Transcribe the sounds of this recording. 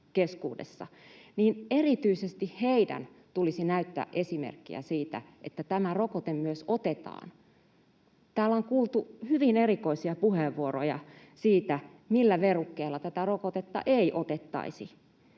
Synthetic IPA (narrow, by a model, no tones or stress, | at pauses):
keskṵːdḛsːɑ̰niːnerit̪yisest̪ihheidæ̰n | t̪ulisinæyt̪ːæ̰ːʔesimḛrkːḭæ̰siːt̪æ̰ | ʔet̪ːæt̪æmærokot̪emmyøsot̪et̪ɑ̰ːn | t̪æːlːoŋkuːlˠt̪uhyʋinerikoisiɑpuheʋːuorojɑ̰ | siːt̪æ | milːæʋerukːeilːɑt̪æt̪ærokot̪et̪ːɑ̰ʔeiʔot̪et̪ːɑ̰isi